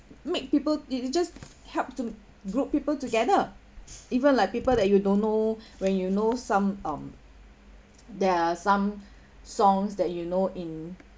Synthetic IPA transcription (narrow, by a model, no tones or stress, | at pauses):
mek̚pipəlitd͡ʒas | hɛlp̚tu | ɡɹup̚pːipəltuɡɛdə | ivə̃nlaɪk̚pipəldɛt̚judõnːowɛ̃njunosãmʌ̃m | dɛasãm | sɔ̃ŋsdɛt̚junoʔĩn